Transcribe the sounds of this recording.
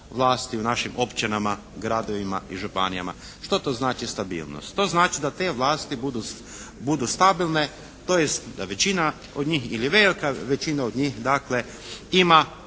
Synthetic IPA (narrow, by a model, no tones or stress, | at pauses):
ʋlˠaːst̪iunaʃimʔo̞pt͡ʃinama | ɡɾad̪oʋima̰ʔiʒupanija̰ma̰ | ʃt̪o̞t̪o̞znaːt͡ʃist̪abḭːlˠno̰st̪ːo̞znaːt͡ʃid̪at̪e̞ʋlˠaːst̪ibud̪u | bud̪ust̪abilˠne | t̪ojest̪d̪aʋe̞t͡ʃina | od̪ɲiːxiliʋe̞likaʋet͡ʃinaod̪ɲixd̪akle̞ | ima